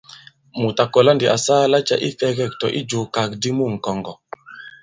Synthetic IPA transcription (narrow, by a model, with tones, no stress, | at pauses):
mu˨ta˨kɔ˨la˦ndi˨ʔa˨saː˦la˦t͡ʃa˦ʔi˦fɛ˦ɡɛ˦˨k̚tɔ˨ʔi˦d͡ʒo˨ka˨kdi˦mu˦˨ŋ̩˨kɔ˨ŋɡɔ˨